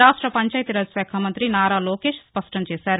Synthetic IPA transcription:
aːsʈɾəpɐɲt͡ʃaːɪt̪ɾɐd͡ʒsɛːkʰaːmənt̪ɾinaːɾaːloːkeːʃspɐsʈɐnt͡ʃesɛːɾ

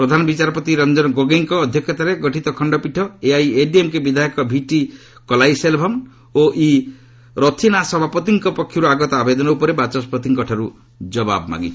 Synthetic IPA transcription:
pɾɔd̪ʱanɔbit͡ʃaɾɔpɔt̪iɾɔnd͡ʒɔnɡoɡeŋkɔːd̪ʱjɔkʰjɔt̪aɾeɡɔʈʰit̪ɔkʰɔɳɖɔpiʈʰɔeajeɖiemkebid̪ʱaikɔbʱiʈi | kɔlajselbʱɔm | oʔi | ɾɔt̪ʰinasɔbʱapɔt̪iŋkɔpɔkʰjɔɾuaɡɔt̪ɔabed̪ɔnɔupɔɾebat͡ʃɔspɾɔt̪ʰiŋkɔʈʰaɾu | d͡ʒɔba̰bma̰ɡḭt͡ʃʰɔ̥

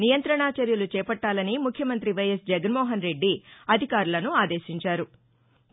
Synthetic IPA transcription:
nijɐnt̪ɾɐɳaːt͡ʃɐɾjɐlut͡ʃɛːpɐʈːaːlɐnimukʰjɐmɐnt̪ɾiʋɐjɐsd͡ʒɛɡɐnmɔːɦɐnɾe̞ɖːiɐd̪ʱikaːɾulɐnuaːd̪eːʃiɲt͡ʃaːɾu

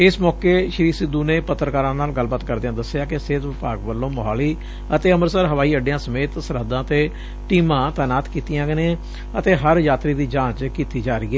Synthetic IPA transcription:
ɪsmɔːkeːʃɾiːsɪd̪ːuːneːpət̪ːɾəkaːɾãːnaːlɡəlːbaːt̪kəɾd̪jãːd̪əsːɪjaːkɪseːt̪ʋɪpaːɡʋəlːõːməɦaːliː | ət̪eːəməɾsəɾɦəʋaːiːəɖeãːsəmeːt̪səɾɦəd̪ãːət̪eː | ʈiːmãːt̪ɛːnaːt̪kiːt̪ɪjãːɡənẽ | ət̪eːɦəɾjaːt̪ɾiːd̪iːd͡ʒãːt͡ʃkiːt̪iːd͡ʒaːɾiːɛː

